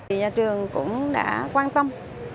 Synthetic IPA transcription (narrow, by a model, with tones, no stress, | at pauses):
i˨˩ɲaː˨˩t͡ɕɨ˨˩əŋkʊ̰˧˥ŋ͡mɗa̰ː˧˥kwaː˧nt̪ə˧m